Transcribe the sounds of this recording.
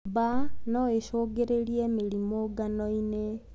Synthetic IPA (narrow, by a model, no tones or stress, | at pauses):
banɔeʃoɡeɾeɾiɛmeɾimoɡanɔine